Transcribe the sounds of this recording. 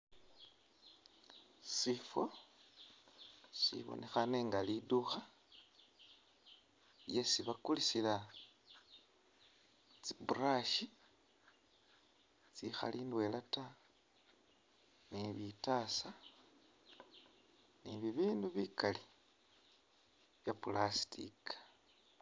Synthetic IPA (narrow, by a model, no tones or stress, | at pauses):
sifo | sḭβo̰nʔe̞xane̞ŋɡaliduxa | je̞siβakulisila | t͡siburaʃi | t͡sixa̰lindwe̞lata | niβitasa | niβiβiːnduβikali | βjapulasi̥tḭkḁ